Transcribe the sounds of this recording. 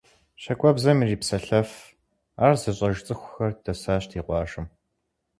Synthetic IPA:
ɕɐkʷʼɔbzɐmiriːpsɐɬɐf | aːrzɨɕʼɐʒt͡sʼɨxʷʊxɐrdʰɐsaːɕtʰiːqʷɑːʒɨm

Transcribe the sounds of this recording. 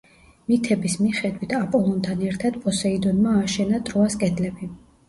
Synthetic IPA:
mit̪ʰɛbismiχɛd̪wit̪ʰapʼɔlˠɔnt̪ʰanɛɾt̪ʰad̪pʼɔsɛid̪ɔnmaːʃɛnat̪ʼɾɔaskʼɛd̪lɛbi

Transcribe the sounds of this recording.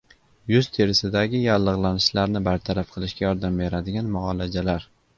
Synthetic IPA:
jʊzt̪ʰeɾɪsɪd̪aɡʲɪjalːɨʁlˠanɪʃlaɾnɪbaɾt̪ʰaɾafqʰɨlˠɪʃkʲajɒɾd̪ambe̞ɾad̪ɪɡʲanmʊʁɒlad͡ʒalaɾ

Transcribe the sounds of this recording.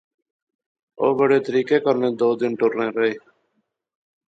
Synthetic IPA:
o̰ːbəɽeːt̪əɾiːkeːkəɾnẽːd̪oːd̪ɪnʈʊɾnẽːɾəɦeː

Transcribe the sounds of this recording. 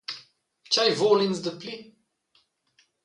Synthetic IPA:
t͡ʃajvoːlinzd̪əpli

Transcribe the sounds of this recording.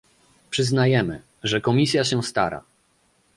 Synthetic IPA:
pʂɘznajɛmɘ̰ | ʐɛkɔmʲisʲjaɕɛst̪a̰ɾa̰

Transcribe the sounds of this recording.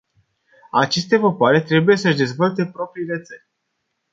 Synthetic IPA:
at͡ʃe̞st̪e̞vapoaɾe̞t̪ɾe̞buje̞səʒd̪e̞zvolt̪̬e̞pɾo̞pɾiːle̞t̪sərʲ

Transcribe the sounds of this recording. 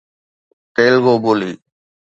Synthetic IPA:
ʈeːlɡoːboːliː

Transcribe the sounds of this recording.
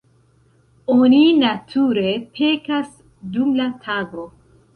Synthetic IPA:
oninatʰuɾe̞pʰe̞kas | dumlatʰaɡo̞

